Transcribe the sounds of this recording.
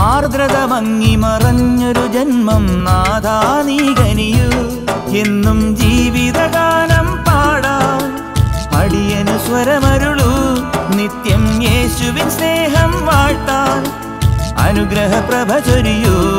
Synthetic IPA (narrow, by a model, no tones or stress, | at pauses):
aːɾd̪ɾɐd̪ɐmɐŋːimɐɾɐɲːɐɾud͡ʒɐnmɐmnaːd̪ʱaːniɡɐniju | enːumd͡ʒiːʋid̪ɐɡaːnɐmpaːɽaːn | ɐ̰ɽijɐnusʋɐɾɐmɐɾuɭunit̪jɐmjeːʃuʋisneːɦɐmʋaːɻt̪aːn | ɐ̰nuɡɾɐɦɐpɾɐbʱɐt͡ʃɐɾiju